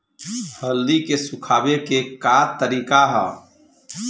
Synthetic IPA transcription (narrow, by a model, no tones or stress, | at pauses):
həlːikesʊkʰaːbekekaːt̪əɾiːkaɦɛ̰ː